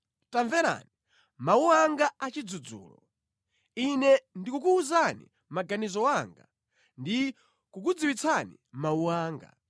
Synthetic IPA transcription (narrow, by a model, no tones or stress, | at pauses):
taɱvɛɾa̰ni | mauwaŋɡaat͡ʃid͡zud͡zṵːlɔ̰ | inɛndikukuːzanḭ | maɡanizɔwaŋɡa̰ | ndi | kuk̬ud͡ziwit͡sʰanḭ | mauwaːŋɡa̰